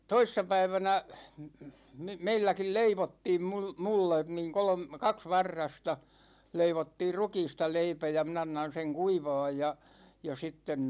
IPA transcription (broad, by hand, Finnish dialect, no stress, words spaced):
toisːɑpæiʋænæ meilːækil leiʋotːiːm mul mulːen niːŋ kolŏm kɑks ʋɑrːɑstɑ leiʋotːiːr rukiːstɑ leipæ jɑ min ɑnːɑn seŋ kuiʋɑːj jɑ jɑ sitːen